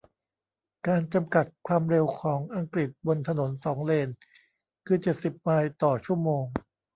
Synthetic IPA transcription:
kaː˧nt͡ɕa˧mka˨˩t̪̚kʰwaː˧mɾe˧wkʰɔː˩˦ŋʔa˧ŋkɾi˨˩t̪̚bo˧nt̪ʰa˧no˩˦nsɔː˩˦ŋleː˧n | kʰɯː˧t͡ɕe˨˩t̪̚si˨˩p̚maː˧jt̪ɔː˨˩t͡ɕʰu˥˩əmoː˧ŋ

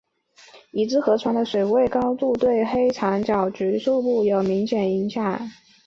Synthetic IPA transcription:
i˨˩t͡sɹ̩˥xɤ˧˥ʈ͡ʂʰwa˧˥ŋd̪ə˧swe˨˩ɪwe˥˩ɪkɑ˥ʊt̪u˥˧t̪we˥˩ɪxe˥ɪʈ͡ʂʰɑ˧˥ŋt͡ɕjɑ˨˩ʊʈ͡ʂy˧˥ʂu˥˧pu˥˩jo˨˩ʊmi˧˥ŋɕjɛ˨˩ni˧˥ŋɕjɑ˨˩˦ŋ

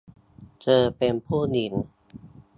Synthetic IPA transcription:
t͡ɕɤː˧pe˧npʰuː˥˩ni˨˩n

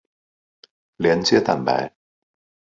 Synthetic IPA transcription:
lɛ˨˥˦nt͡sɛ˥t̪a̰˨nba̰˨˩

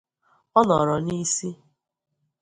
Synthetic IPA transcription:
ɔ˦nɔ˨ɾɔ˨ni˦si˦

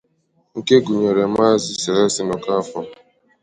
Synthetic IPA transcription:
ŋ̩˨ke˦ɡu˨ɲe˨ɾe˨ma˦zi˦se˨le˦sɪ˦nɔ˨ka˦fɔ˦

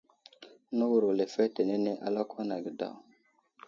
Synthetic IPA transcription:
no˦wu˨ɾo˨le˨fɛ˦te˨ne˦ne˦ʔa̰˦la˦kwa˦na˨ɡi˨da̰˦˨

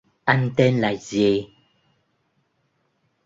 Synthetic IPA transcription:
a˦n̩˦tɛ˦nla˨jzje˨˦

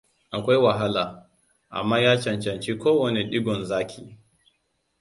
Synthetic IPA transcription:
ʔa˨kʷa˦jwa˨ɦa˦laː˨ | ʔa̰˨mːaː˦jaː˦t͡ʃɐ˨nt͡ʃɐ˨nt͡ʃi˦kʷoː˦wɐ˨ne˨ɗɪ˦ɡʷɔ˨nzaː˦kʲʰḭː˨

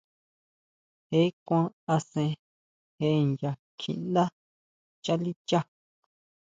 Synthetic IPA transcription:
he˦kʷã˦a˧sẽ˧ | he˧˦nja˧ | kʰḭ̃˧˨nd̪a˦ | t͡ʃa˦li˦t͡ʃa˦

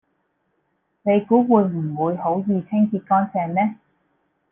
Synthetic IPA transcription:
ne˨˧jkuː˨˥wuː˨˧jm̩˨˩wuː˨˧jho˨˥wjiː˨˧t͡sʰɪ˥ŋkiː˧t̚kɔː˥nsɛː˨˩ŋnɛː˥

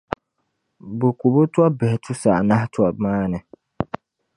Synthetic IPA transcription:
bʊ˨ku˨bo˦tʊ˦ɔ˦bɛ˨hɛ˨tʰʊ˦sa̰˨ʔna˦htʊ˦ɔ˨maː˦nɨ˨

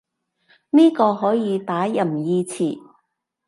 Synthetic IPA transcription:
niː˥kɔː˧ɦɔː˨˥jiː˨˧t̪aː˨˥jɐ˨˩mjiː˧t͡sʰiː˨˩

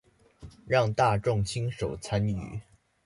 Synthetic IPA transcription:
ɻɑ˥˧ŋt̪a˥˧ʈ͡ʂʊ˥˩ŋt͡ɕʰi˥ŋʂo˨˩ʊt͡sʰa˥ny̰˨˩˦

